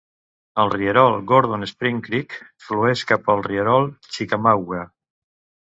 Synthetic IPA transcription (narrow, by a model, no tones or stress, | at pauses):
əlˠriəɾɔlˠɡoɾð̞onespɾiŋkɾikfluɛʃkapəlˠriəɾɔlˠt͡ʃikamawɣa